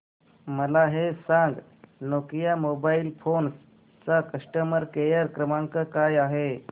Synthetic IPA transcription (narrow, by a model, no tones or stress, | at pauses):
məlaɦesãŋɡnokjamobailfons | t͡sakəʂʈəməɾkejəɾkɾəmãŋkəkajaɦe